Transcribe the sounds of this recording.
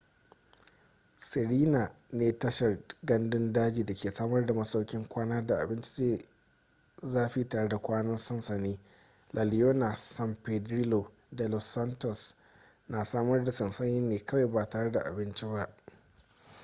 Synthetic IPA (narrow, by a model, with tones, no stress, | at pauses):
sɪ˨ɽiː˦na˨neː˦tɐ˦ʃɐ˨rɡɐ˦ndɪ˦ndaː˦d͡ʒiː˨da˨kʲʰeː˨saː˦mɐ˦rda˨mɐ˦sa˦wkʲɪ˦ŋkʷaː˦naː˦da˨ʔa̰˨bɪ˦nt͡ʃi̥˦eː˦ | zaː˦ɸiː˦taː˨ɽe˦da˨kʷaː˦nɐ˦nsɐ˦nsɐ˨niː˦ | lʔa˨lɪ˨joː˦na˨sa˨mpe˨dɾiː˦lo˨ | da˨lɔ˨sa˦ntɔ˨s | naː˨saː˦mɐ˦rda˨sɐ˨nsɐ˦ɲɪ˦nːeː˨kɐ˦wa˨jbaː˨taː˨ɽe˦da̰˨ʔa̰˨bɪ˦nt͡ʃi˦ba˦ʔ